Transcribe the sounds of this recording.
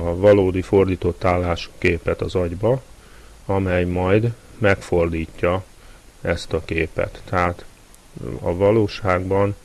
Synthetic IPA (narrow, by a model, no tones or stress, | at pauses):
ɒvɒloːd̪ifo̞rd̪iːt̪o̞t̪ːaːlːaːʃkeːpɛt̪ɒzɒɟbɒ | ɒmɛjmɒjd̪ | mɛkfo̞rd̪iːcːɒ | ɛst̪ɒkeːpɛ̰t̪ːɛɦaːt̪ | ɒ̰vɒloːʃaːɡbɒn